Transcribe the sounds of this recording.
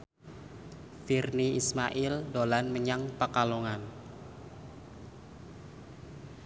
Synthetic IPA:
firniismaʔɪldolanməɲaŋpakaloŋan

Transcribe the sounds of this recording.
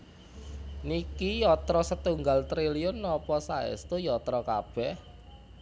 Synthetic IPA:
nikijɔt̪ɾɔsət̪uŋɡalt̪ɾiliʊnːɔpɔsaɛ̰st̪ujɔt̪ɾɔkab̥ɛh

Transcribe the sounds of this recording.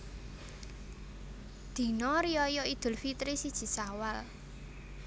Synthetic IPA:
d̪̥i̤nɔɾiɔjɔid̪̥ʊ̤lfit̪ɾisid̥ʒ̥i̤sawal

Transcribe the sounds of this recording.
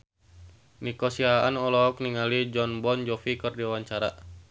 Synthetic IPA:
nikɔsiaanɔlɔɔk̚niŋalid͡ʒɔnbɔnd͡ʒɔfikɨrdiawaɲt͡ʃaɾa

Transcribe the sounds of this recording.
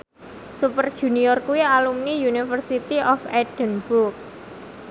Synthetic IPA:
supərd̥ʒ̥ṳniɔrkuwialumnijunifərsit̪iɔfɛɖ̥ənburk̚

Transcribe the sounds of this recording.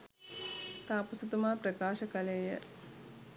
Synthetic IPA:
t̪aːpusɐt̪umaːpɾɐkaːʃɐkɐleːjə̰

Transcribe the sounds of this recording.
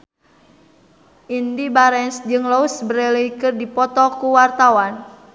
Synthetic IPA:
ʔindibaɾɛnsd͡ʒɨŋlɔusbəɾɛliikɨrdipɔt̪ɔkuwart̪awan

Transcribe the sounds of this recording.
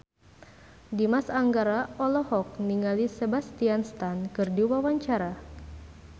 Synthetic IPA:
dimasaŋɡaɾaɔlɔhɔk̚niŋalisebast̪ianst̪ankɨrdiwawaɲt͡ʃaɾa

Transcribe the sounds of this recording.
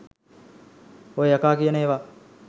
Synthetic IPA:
oeakaːkijəneːʋa

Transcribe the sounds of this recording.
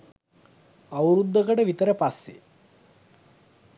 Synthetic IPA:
awɾud̪ːəkəʈəʋit̪əɾəpasːḛ

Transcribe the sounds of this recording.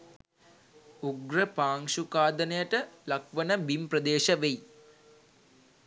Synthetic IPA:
uɡɾəpaːŋʃukaːd̪ənejəʈəlak̚ʋənəbimprəd̪eːʃəʋej

